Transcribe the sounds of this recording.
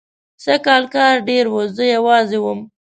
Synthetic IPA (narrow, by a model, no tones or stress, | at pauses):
səkɑlkɑɾɖeɾwozəjawɑzewəm